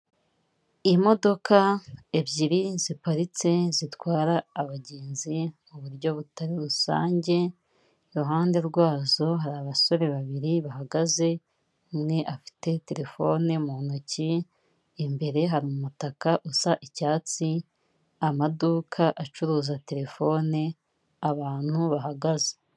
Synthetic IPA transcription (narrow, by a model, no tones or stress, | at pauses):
imo̞do̞kaebɟiɾizipaɾit͡se̞zitwaːɾaːβaɟeːnzimuβuɾɟo̞βutaɾiɾusa̰ːɲɟe̞ | ɾuɦaːnde̞ɾɡwaːzo̞ɦaɾaːβaso̞ɾe̞βaβiɾiβaɦaɡaze̞ | mŋe̞ʔafi̥te̞te̞ɾe̞fo̞nemunociː | mbe̞ɾe̞ɦaɾimumutakaʔusaʔicaːt͡si | amaduːkʰaʔat͡ʃuɾuːzate̞ɾe̞fo̞ːne | aβaːn̥huβaɦaɡaze̥